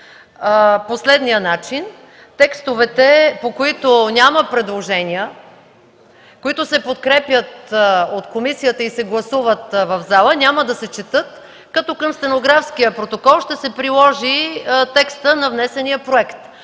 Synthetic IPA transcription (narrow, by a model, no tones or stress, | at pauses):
poslɛd̪nijənat͡ʃin | t̪ɛkst̪ovɛt̪ɛpokoit̪onʲaməpɾɛd̪lˠoʒɛnʲijə | koit̪ʊsɛpot̪kɾɛpjət̪ot̪komisijət̪əisɛɡlˠɐsuvət̪vɐvzalˠənʲaməd̪ɐsɛt͡ʃɛt̪ɤt̪ | kɐt̪ɔkəmst̪ɛnoɡɾafskijəpɾot̪okɔlˠʃt̪ɛsɛpɾilˠɔʒit̪ɛkst̪ənɐvnɛsɛnijəpɾoɛkt̪